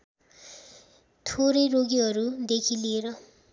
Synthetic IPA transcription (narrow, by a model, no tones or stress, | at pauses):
t̪ʰoɾejroɡiɦʌɾud̪ekʰileɾʌ